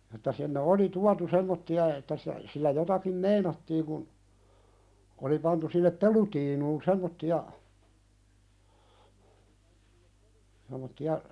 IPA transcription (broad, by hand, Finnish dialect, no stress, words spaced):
etːæ sinːe oli tuɑtu semːotːiɑ etːæ si silːæ jotɑkim meinɑtːiːŋ kun oli pɑntu sinːep pelutiːnuːn semːotːiɑ semˑotːiɑ